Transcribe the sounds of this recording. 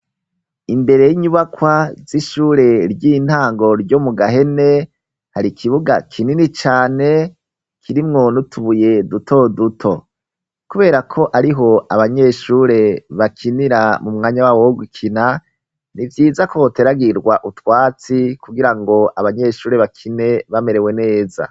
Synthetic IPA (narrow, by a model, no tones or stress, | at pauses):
imbe̞ɾe̞jiɲuβakwaz̥iʃuːɾe̞ɾjiːn̥haːŋɡo̞ɾɟo̞muɡaɦe̞ne̞ | haɾikʰiβuɡakʰininit͡ʃaːne̞ | kʰiɾimŋo̞nutʰuβuje̞dutʰo̞dutʰo̞ | kuβe̞ːɾakʰo̞ʔaɾiɦo̞aβaɲe̞ʃuːɾe̞βakʰiniɾamumŋaːɲawawoɡukʰina | nivjiːzakoteɾaɡiɾɡwaʔutwaːt͡sikuɡiɾaŋɡo̞aβaɲe̞ʃuːɾe̞βakʰine̞βame̞ɾe̞we̞ne̞ːza̰